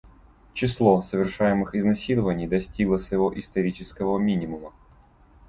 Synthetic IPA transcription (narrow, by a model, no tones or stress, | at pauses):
t͡ɕɪslˠosəvʲɪrʂajɪmɨxɪznɐsʲilˠəvənʲɪjd̪ɐsʲtʲiɡlˠəsvəjɪvoʔɪst̪ɐɾʲit͡ɕɪskəvəmʲinʲɪmʊmə